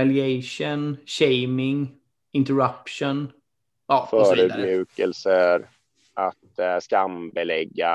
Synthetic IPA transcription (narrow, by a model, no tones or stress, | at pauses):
aljeɪʂənɕeɪmɪŋ | ɪnt̪əɹapʃʊn | ʔɔfœːɾʉd̪mjʉ̟ːkəlsəɾ | ʔat̪skambɛlɛɡːa